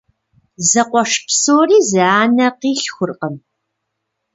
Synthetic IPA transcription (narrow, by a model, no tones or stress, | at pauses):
zɐqʷɔʂpsoːriːzɨaːnɐqiːɬxʷʊrqəm